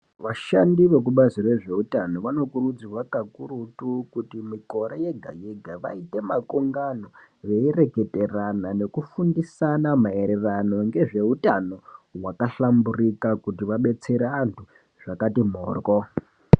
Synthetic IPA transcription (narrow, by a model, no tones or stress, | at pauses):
ʋaʃandiʋe̞k̬uɓazire̞ʐe̞utano̞ʋano̞kurud͡ziwakakurutukutimiko̞ɾeje̞ɡʱa̰jeɡʱaʋa̰ite̞makoŋɡano̞ | ʋe̞ire̞ɡʱe̞te̞ranane̞kufundisanamae̞ɾe̞rano̞ŋɡe̞ʐe̞utano̞wakaɬamburikakutiʋaɓe̞t͡seɾeantʰu | ʐ̥akatim̤o̰ːrko